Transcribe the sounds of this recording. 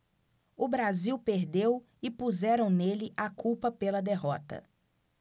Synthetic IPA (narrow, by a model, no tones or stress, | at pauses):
ʊbɾaziwpeɾd̪ew | ɪpuzɛɾɐ̃w̃nelɪʔakupɐpelɐd̪eɦɔt̪ɐ̰